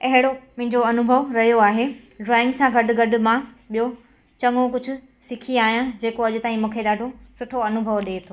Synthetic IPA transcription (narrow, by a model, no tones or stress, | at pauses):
ɐɦɪɽomʊ̃ɦɪ̃ɲd͡ʑoɐnʊbʱəʋɾɐɦijoaːɦeː | ɖɾaːɪ̃ŋɡsãɡɐɖʊ̆ɡɐɖʊ̆mã | ɓijo | t͡ɕɐŋõk̬ʊd͡ʑʱʊ̆ | sɪkʰiaːɦijãd͡ʑeːkoɐʄʊt̪aːĩmũːkʰeɗaːɖʱosʊʈʰoɐnʊbʱəʋɗeːt̪ʰoː